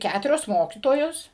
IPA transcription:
ˈkʲætʊrʲoːs ˈmoːkʲiːtoːjoːs

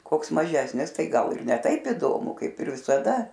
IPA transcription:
ˈkoːks mɐˈʒʲæːsʲnʲɪs ˈtɐɪ ˈɡɐlˠ ɪr nʲɛ ˈtɐɪp ɪˈdoːmʊ ˈkɐɪp ɪr ʋʲɪsɐˈdɐ

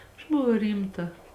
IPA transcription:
ɐʃ bʊˈʋɐʊ ˈrʲiːmˌtɐ

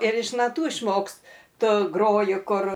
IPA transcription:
ɪr ɪʃ nɐˈtuː ɪʃˈmoːkstʊ ˈɡroːjʊ ˈkʊr

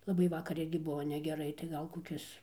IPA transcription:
lˠɐˈbɐɪ ˈʋɑːkɐr ˈɪrʲɡʲɪ ˈbʊʋoː nʲɛɡʲɛˈrɐɪ tɐɪ ˈɡɐlˠ koːˈkʲɪs

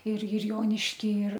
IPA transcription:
ɪr ɪr ˈjoːnʲɪʃʲkʲiː ɪr

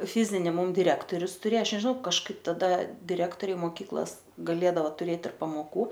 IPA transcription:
ˈfʲɪzʲɪnʲɪ ˈmʊm dʲɪˈrʲæːktoːrʲʊs tʊˈrʲeː ˈɐʃ nʲɛʒʲɪˈnɐʊ kɐʃˈkɐɪp tɐˈdɐ dʲɪˈrʲæːktoːrʲɛɪ moːˈkʲiːklˠoːs ɡɐˈlʲeːdɐoː tʊˈrʲeːt ɪr pɐmoːˈkuː

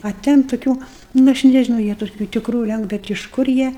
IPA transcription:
ɐ ˈtʲɛn tʊˈkʲuː nʊ ˈɐʃ nʲɛʒʲɪˈnɐʊ ˈjiɛ toːˈkʲuː tʲɪkˈruː ˈlʲɛŋk ˈbʲɛt ɪʃ ˈkʊr jiɛ

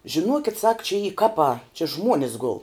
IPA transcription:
ʒʲɪˈnuɔkʲɪt sɐk t͡ʃʲɛ iː ˈkɑːpɑː t͡ʃʲɪ ˈʒmuɔnʲɪs ɡʊlˠ

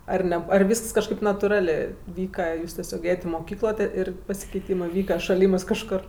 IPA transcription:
ɐr ˈnʲɛ ɐr ˈʋʲiːsks kɐʃˈkɐɪp nɐtʊˈrɑːlʲeː ˈʋʲiːkɐ ˈjuːs tʲɛˈsʲoːk ˈeːjɛtʲ ɪ moːˈkʲiːklˠoː tʲeː ˈɪr pɐsʲɪkʲɛɪˈtʲiːmɜ ˈʋʲiːkɐ ʃɐˈlʲiːmɜs kɐʃˈkoːr

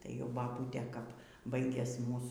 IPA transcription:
tɐɪ jɛʊ bɐˈbuːtʲeː kɐp ˈbɐɪɡʲɛs ˈmuːs

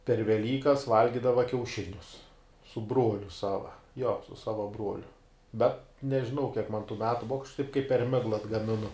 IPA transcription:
pʲɛr ʋʲɛˈlʲiːkɐs ˈʋɐlʲɡʲɪdɐʋɐ kʲɛʊˈʃʲɪnʲʊs sʊ ˈbruɔlʲʊ ˈsɑːʋɐ joː sʊ ˈsɑːʋɐ ˈbruɔlʲʊ ˈbʲɛt nʲɛʒʲɪˈnɐʊ kʲiɛk mɐn tuː ˈmʲæːtʊ ˈbʊʋɐ ɐʃ tɐɪp kɐɪp pʲɛr ˈmʲæːɡlˠɐ ɐdɡɐmʲɪˈnʊ

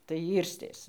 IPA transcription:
tɐɪ ˈiːrʲsʲtʲeːs

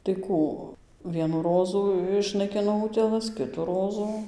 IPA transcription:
tɐɪ ˈkuː ˈʋʲiɛnuː ˈroːzuː ɪʃnɐɪˈkʲɪnoː ˈʊtʲeːlˠɐs ˈkʲɪtuː ˈroːzʊ

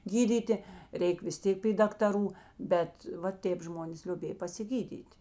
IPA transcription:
ˈɡʲiːdʲiːtʲɪ ˈrʲɛɪk ʋʲɪs ˈtʲeːk pʲiː dɐktɐˈruː ˈbʲɛt ʋɐ ˈtʲeːp ˈʒmoːnʲeːs lʲoːˈbʲeːj pɐsʲɪˈɡʲiːdʲiːtʲ

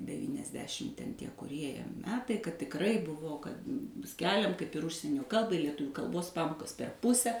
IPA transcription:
dʲɛʋʲiːnʲɛzʲˈdʲæːʃʲɪm tʲɛn tʲiɛ kʊˈrʲiɛ ˈjiɛ ˈmʲæːtɐɪ kɐt tʲɪkˈrɐɪ ˈbʊʋoː kɐt ˈsʲkʲæːlʲɛm kɐɪp ɪr ˈʊʃʲsʲiɛnʲoː ˈkɐlˠbɐɪ lʲiɛˈtʊʋʲuː kɐlˠˈboːs ˈpɑːmoːkɐs pʲɛr ˈpʊsʲɛ

